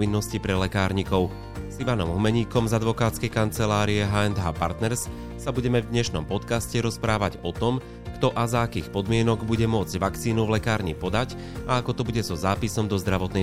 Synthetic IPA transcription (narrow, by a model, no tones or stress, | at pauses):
inːɔscipɾɛlɛkaːɾɲikɔʊ | ziʋanɔmɦumɛɲiːkɔmzad̪ʋɔkaːt̪t͡skɛjkant͡sɛlaːɾiɛɦaːɛnd̪ɦaːpa̰ɾt̪nɛɾs | sabuɟɛmɛvd̪ɲɛʃnɔ̰mpɔt̪kascɛɾɔspɾaːʋaɟɔt̪ɔm | kt̪ɔʔazaːkiːxpɔd̪mɪɛnɔɡbuɟɛmʊɔd͡zɟʋakt͡siːnuvlɛkaːɾɲipɔd̪ac | aakɔt̪ɔbuɟɛzɔzaːpisɔmd̪ɔzd̪ɾaʋɔt̪nɛ